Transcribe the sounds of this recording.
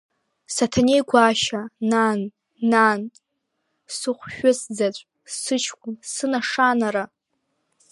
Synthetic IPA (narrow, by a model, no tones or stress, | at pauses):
satʰanejɡʷaʃananː | an | sɨχʷʃᶣʊsd͡zat͡ɕʷʼ | sɨt͡ʃʰkʷʰʼʊmsɨnaʂanaɾa